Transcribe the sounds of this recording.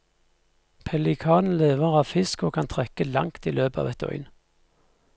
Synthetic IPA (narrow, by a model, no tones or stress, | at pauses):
pʰɛlɪkʰɑːnn̩leːʋəʁɑːʋfɪskoːkʰɑnt̪ʰʁɛkəlɑ̰ŋt̪iːløːbəɑ̰ʋɛt̪ɔ̰ʏn